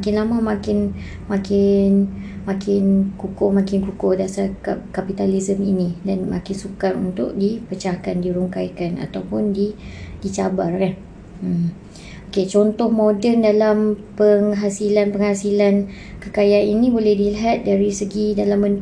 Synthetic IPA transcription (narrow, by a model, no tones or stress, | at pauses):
mkɪnlamãmãkɪn | mãkɪnmãkɪnkukomãkɪnkukodasarkakapit̪alizəminĩdanma̰kɪnsukarṵnt̪ʊk̚dipət͡ʃahkandiɾuŋkajkana̰t̪awpʊndidit͡ʃabarkan̩ | oket͡ʃɔnt̪ɔhmodɛndalampəŋɦasilanpəŋhasilan | kəkajaninĩbolɛhdiliɦat̪̚daɾisəɡidalamːən